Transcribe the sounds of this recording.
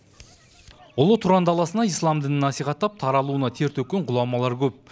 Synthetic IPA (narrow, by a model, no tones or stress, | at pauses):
ʊlˠət̪ʰuɾɑnd̪ɑlˠɑsənɑijslˠɑmd̪ɪnɪnɑsijʁɑt̪ːɑp̚t̪ʰɑɾɑlˠuənɑt̪ʰe̞ɾt̪ɵkʲːeɴqʊlˠɑmɑlˠɑɾkʲʰɵp̚